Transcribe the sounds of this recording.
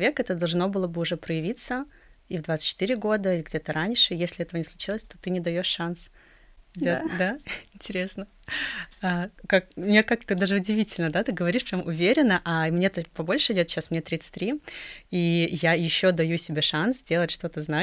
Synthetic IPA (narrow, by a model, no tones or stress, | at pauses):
vʲekɛt̪əd̪ɐlˠʐno̞bɨlˠəbɨʊʐɛpɾəjɪvʲit̪sə | ivd̪vat̪sɨ̥tt͡ɕːɪt̪ɨɾʲɪɡo̞d̪əilʲɪɡdʲet̪əɾanʲʂɨjesʲlʲɪɛt̪əvənʲɪslˠʊt͡ɕilˠəsʲt̪o̞t̪ɨnʲɪd̪ɐjo̞ʂːans | zdʲed̪aɪnʲtʲɪɾʲesnə | akak̚mnʲekak̚t̪əd̪aʐɨʊdʲɪvʲitʲɪlʲnəd̪at̪ɨɡəvɐɾʲiʂpɾʲomʔʊvʲeɾʲɪnːəʔɐmnʲeɛt̪əpɐbo̞lʲʂɨɪdʲot̪ɕasmnʲet̪ɾʲit̪sɨ̥t̪ʲɾʲiijajɪɕːo̞d̪ɐjusʲɪbʲeʂanszʲdʲelˠətʲʂt̪o̞t̪əzna